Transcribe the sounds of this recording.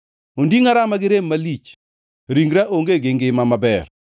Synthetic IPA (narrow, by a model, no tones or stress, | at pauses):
ondiŋaɾamaɡɪɾemːalit͡ʃ | ɾiŋɡɾaʔoŋɡeɡɪŋɡɪmamabɛr